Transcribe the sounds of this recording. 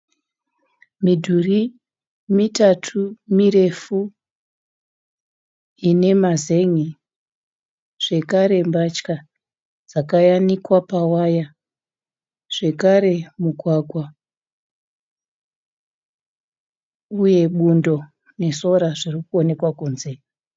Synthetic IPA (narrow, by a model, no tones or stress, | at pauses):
midʱuri | mitatʰumire̞fu | ine̞maze̞ŋi | ʐ̥e̞kaɾe̞mbat͡ʃka | d͡zakajanikwapawaja | ʐ̥e̞kaɾe̞muɡʱwaɡʱwa | uje̞ɓundo̞ | ne̞so̞ɾaʐirikuo̞ne̞kwakuːnze